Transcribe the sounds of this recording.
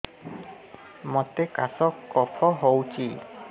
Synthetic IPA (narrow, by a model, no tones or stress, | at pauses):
mɔt̪ekasɔkːɔpʰɔɦowt͡ʃʰi